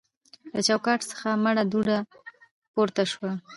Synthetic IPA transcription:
lat͡ʃawkɑʈsə̥xamaɽad̪uɽa | poɾt̪aʃwa

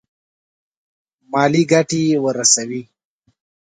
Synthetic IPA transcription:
mɑːliɡaʈiwəɾasawi

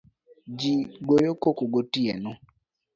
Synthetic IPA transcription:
d͡ʒiɡojokokoɡotiɛ̰nɔ

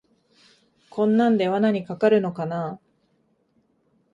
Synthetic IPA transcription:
kʰõ̞nːãnd̪e̞βanaɲ̟ikakaɾɯ̟no̞kanaː

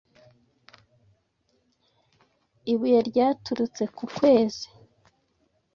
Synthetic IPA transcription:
iβujaɾɟaːtuɾut͡se̞kukwe̞ːz̥i

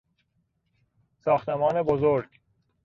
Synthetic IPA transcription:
sɑːxt̪emɑːnebozoɾɡ

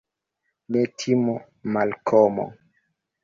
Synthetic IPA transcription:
metʰimo | malkʰɔmɔ̰

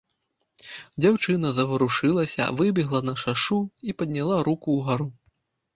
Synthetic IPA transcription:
d͡zʲawt͡ʂɨnɐzɐvɐɾuʂɨlˠɐsʲɐ̰vɨbʲiɣlˠɐnɐʂaʂuipɐd̪ʲnʲalˠaɾukuːɣaɾu

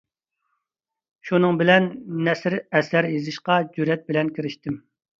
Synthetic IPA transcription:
ʃunɨŋbɪlɛnːɛsɾɛsæɾjezɨʃqɑd͡ʒyɾɛt̪̚bɪlɛnkʲʰiɾɪʃt̪ɪm

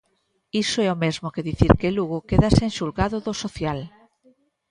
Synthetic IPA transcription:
isoɛomezmokeðiθiɾkeluɣokeðasenʃulɣaðoðosoθjal

